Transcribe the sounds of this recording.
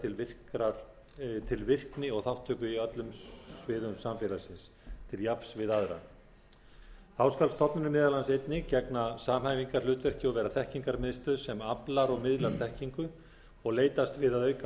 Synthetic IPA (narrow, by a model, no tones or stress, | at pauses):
ɪlvɪr̥kɾaɾ | t̪ʰɪlvɪr̥knɪɔɣθawht̪ʰːʏːkʏiœt̪lʏmvɪːðʏmsamfɪlasɪns | t̪ʰɪljapsvɪðaðɾa̰ | θawskalst̪ʰɔpnʏnʏmɪːðalansejt̪nɪcɛknasaːmhajviŋkaɾ̥lʏːt̪vɛr̥cɪɔvɛːɾaθɛhciŋkaɾmɪðst̪ʏsɛmaplaɾɔɣmɪðlaɾ̥θɛhciŋkʏ | ɔɣleːjt̪ast̪vɪðaðœːɥk